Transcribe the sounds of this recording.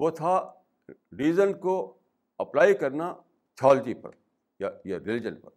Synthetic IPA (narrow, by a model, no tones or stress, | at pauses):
ʋot̪ʰa | ɾiːzənko | ɐplaːikɐɾna | t͡ʃʰɔːld͡ʒipɐ̰ɾ | jajaɾɪlɪd͡ʒənpɐ̰ɾ